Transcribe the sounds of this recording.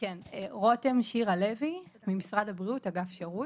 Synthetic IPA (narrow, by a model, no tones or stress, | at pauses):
keneʁotemʃiʁale̞vi | mimisʁadabʁiutaɡafʃeʁu